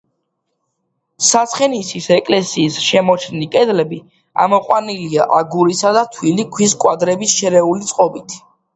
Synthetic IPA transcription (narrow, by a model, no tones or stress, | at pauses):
sat̪sχɛnisisɛkʼlɛsiːsʃɛmɔt͡ʃʰnikʼɛd̪lɛbi | a̰mɔqʼwaniliaʔaɡuɾisad̪at̪ʰwilikʰwis̬kʼwad̪ɾɛbisʃɛɾɛulit̪sʼqʼɔbit̪ʰ